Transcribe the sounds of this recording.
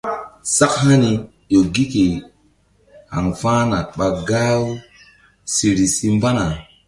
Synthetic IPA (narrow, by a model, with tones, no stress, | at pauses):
sa˦kha˦ni˨ | jo˨ɡi˦ki˨ | ha̰˨ŋfãː˦na˨ɓa˨ɡa˦w | si˨ɾi˨si˦mba˦na˨